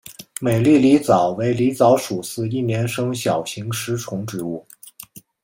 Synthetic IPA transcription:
me˨˩ɪli˥˩li˧˥t͡sɑ˨˩ʊwe˧˥ɪli˧˥t͡sɑ˧˥ʊʂu˨˩sɹ̩˥˧i˥˩njɛ˧˥nʂɤ˥ŋɕjɑ˨˩ʊɕi˧˥ŋʂɻ̩˧˥ʈ͡ʂʰʊ˧˥ŋʈ͡ʂɻ̩˧˥u˥˩

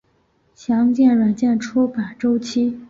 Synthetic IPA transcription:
ɕjɑ˧˥ŋt͡ɕjɛ˥˩nwa˨˩nt͡ɕjɛ˥˩nʈ͡ʂʰu˥pa˨˩nʈ͡ʂo˥ʊt͡ɕʰi˥

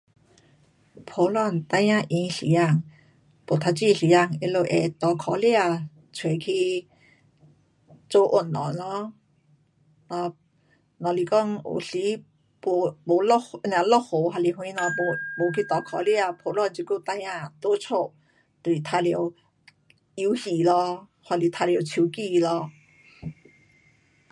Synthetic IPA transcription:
pʰo˧lɔ˥˧˨nt̪a˧jã˧˨ʔĩ˧˦ŋɬḭ˨ja˧˨ŋ | po˨t̪ʰa˧t͡ɕi˧˨ɬi˨˦ja˧˨ŋe˧˦lo˧ʔɛ˨t̪ɔ˨˧kʰɔ˧˦li˧˦a˧˨ | t͡sʰwe˨kʰi˧ | t͡so˧˦ʔo˧˨nːɔ̰˨nɔ˧˦ | nɔ˧ | nɔ˧˨li˧kɔ˥˧˨ŋṵ˨ɬi˧˦ | po˧bo˨˦lɔ˧n˧ã˨˧lɔ˥˧ho˨ɦa˧li˧˨ɦũ˧ĩ˧˦nɔ˧bo˧bo˨˦kʰi˧˦t̪ɔ˨˦kʰɔ˨˧˦li˧a˧˨pʰo˨˧˦lɔ˧d͡zi˧ku˥˧˨t̪a˧jã˧˨t̪o˧˦t͡sʰo˥˧˨ | t̪e˧˨li˨t̪ʰa˧ljo˧w | i˧˦hi˨lɔ˧ | hʰwa˧˨li˧˨t̪ʰa˧li˧o˧˦t͡ɕʰi˧˦ki˧˨˧lɔ˧

